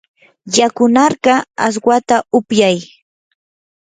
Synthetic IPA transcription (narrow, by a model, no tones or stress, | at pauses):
jakʊnɑɾɢɑa̰s̬wat̪aʊpjaj